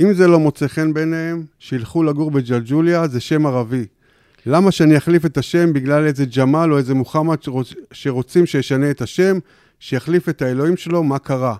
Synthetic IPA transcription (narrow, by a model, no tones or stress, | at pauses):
ʔimzelo̞mo̞t͡seχe̞nbenee̞mʃiilχulaɡuʁbed͡ʒald͡ʒuljaze̞ʃe̞maʁavi | lamaʃeanijaχlife̞taʃe̞mbiɡlale̞ze̞d͡ʒamalo̞eze̞muχamaoʃe̞ʁo̞t͡simʃejeʃane̞etaʃe̞m | ʃejaχlife̞tae̞lo̞imʃe̞lo̞makaʁa